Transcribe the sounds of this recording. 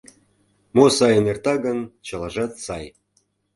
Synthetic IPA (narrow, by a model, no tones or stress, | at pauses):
mosɑjə̆nert̪ɑɡə̆nt͡ɕɤlɑʒɑt̪sɑj